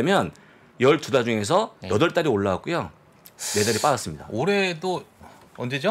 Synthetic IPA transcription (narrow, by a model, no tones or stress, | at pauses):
emjʌn | jʌɭtudad͡ʑuŋe̞s̬ʰʌjʌdʌɭt͈aɾioɭːawak͈ujo | ne̞daɾip͈adas͈ɯmɲida̰oɾe̞do | ʌnd͡ʑed͡ʑo